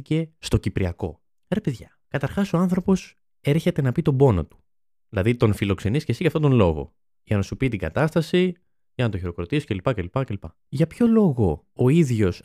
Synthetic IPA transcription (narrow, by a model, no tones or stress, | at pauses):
ice̞st̪o̞cipɾiɐko̞̰ | ɾe̞peðʝɐ | kɐt̪ɐɾxɐsoɐnθɾo̞po̞s | e̞ɾçe̞t̪e̞nɐpit̪o̞bo̞no̰t̪u̥ | ðilɐðit̪o̞nfilo̞kse̞niscesiʝɐft̪ot̪o̞nlo̞ɣo̞̰ | ʝɐnɐsupit̪iɡɐ̰t̪ɐst̪ɐsi | ʝɐnɐt̪oçiɾo̞kɾot̪isi̥celipɐcelipɐcelipɐ | ʝɐpço̞lo̞ɣo̞ː | iðʝo̞s